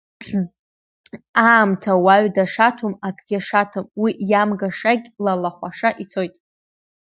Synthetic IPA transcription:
aːmtʰawaɥdaʂatʰumakʼɡʲaʂatʰʊmwiʔjamɡaʂaɡʲlalaχʷaʂaʔit͡sʰo̞jtʼ

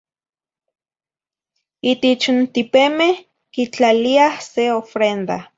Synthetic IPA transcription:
it̪et͡ʃnt̪ipemeh | kit͡ɬaliahseofɾend̪a

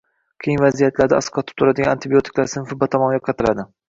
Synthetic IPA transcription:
kʲʰejɪnvazijat̪laɾd̪a̰asqʰɒt̪ɪ̥p̚t̪ʰʊɾad̪ɪɡʲanant̪ʰɪbijot̪ʰɪ̥klaɾsɪnfɪbat̪ʰɒmɒnjɒqʰɑt̪ʰɪlad̪ɪ

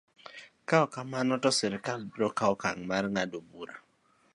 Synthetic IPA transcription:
kaɔkamanɔtɔsɛɾɪkalbiɾɔkaɔkaŋmarŋadobuɾa

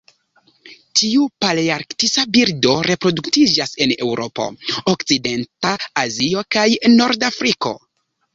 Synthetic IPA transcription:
tʰiupaliaɾktisabiɾdo̞ɾe̞pɾo̞duktid͡ʒase̞ne̞wɾʔo̞po̞̰okt͡side̞ntaːzio̞kajno̞ɾdafɾiko̞̰

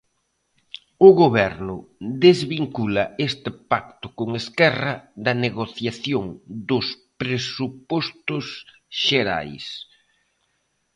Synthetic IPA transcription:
ʊɣoβɛɾnʊd̪ezβiŋkulɐest̪ɪpak̚t̪ʊkoŋeskɛrɐðɐneɣoθjaθjoŋd̪ʊspɾesupɔst̪ʊs | ʃeɾa̰js

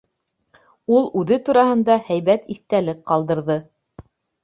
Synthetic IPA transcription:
ulˠʉðɘt̪uɾɑhɤ̆nd̪ɑhæjβæt̪iθt̪ælɘk̚qɑlˠd̪ɤ̆ɾðɤ

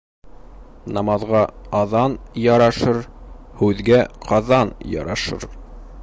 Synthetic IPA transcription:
nɑmɑðʁɑɑðɑnjɑɾɑʃɤɾ | hʉðɡæqɑðɑnjɑ̰ɾɑʃɤ̰ɾ

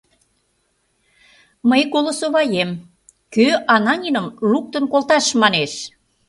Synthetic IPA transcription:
məjkolosoβɑjem | køʔɑnɑnʲinə̆mluk̚t̪ə̆nkolt̪ɑʃmɑneʃ

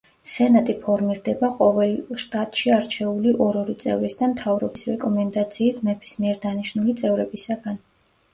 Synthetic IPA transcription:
sɛnat̪ʼipʰɔɾmiɾd̪ɛbaqʼɔvɛlʃt̪ʼat̪ʼʃiaɾt͡ʃʰɛuliʔɔɾɔɾit̪sʼɛ̰vɾisd̪amt̪ʰavɾɔbisɾɛkʼɔmɛnd̪at̪sʰiːt̪ʰmɛpʰi̥smiɛɾd̪aniʃnulit̪sʼɛvɾɛbisaɡan

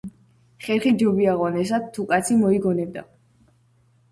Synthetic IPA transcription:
χɛɾχid͡ʒɔbiaʁɔnɛs̬ad̪̚t̪ʰːukʼat̪sʰimɔiɡɔnɛbd̪a

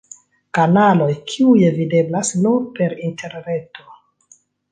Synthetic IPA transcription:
kanalo̞jkʰiujevide̞blasnupe̞ɾintʰe̞ɾne̞to̞

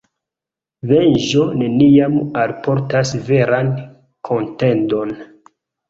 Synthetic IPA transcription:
venʒo̞ne̞niamalpo̞ɾtasve̞ɾan | kʰo̞nte̞ndo̞n

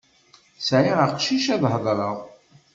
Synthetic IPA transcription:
sʕiʁəqʃiʃæðˤhðˤɾˤəʁˤ

